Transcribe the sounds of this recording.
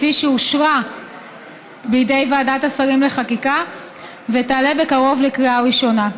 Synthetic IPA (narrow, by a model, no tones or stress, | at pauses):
fiʃeuʃʁa | bijde̞jvaːdatasaʁimle̞χakika | vetaːle̞be̞kaʁo̞vlekʁiaʁiʃo̞na